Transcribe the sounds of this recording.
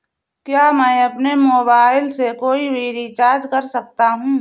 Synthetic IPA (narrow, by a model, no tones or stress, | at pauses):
kjaːmɛ̃ɐpnemoːbaːɪlsekoːibʱiɾit͡ʃaːd͡ʒkɐɾsɐk̚t̪aɦũː